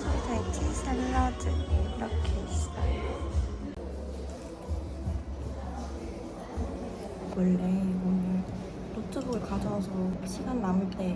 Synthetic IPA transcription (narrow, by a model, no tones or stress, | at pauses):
tatʰisʰaɾɾadɯiɾʌkʰeisi̥ta̰ | kɯɭːeonɯ | tot͡ɕ͈ɯbɯɯɭkad͡ʑʌsʰʌɕʰiɡanːamɯɭt͈e̞